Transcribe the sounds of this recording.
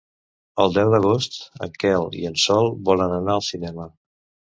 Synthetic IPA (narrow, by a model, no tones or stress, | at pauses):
əlˠd̪ɛwðəɣ̞ɔst̪ə̰kɛlḭənsɔlˠbɔlənənaəlˠsinɛmə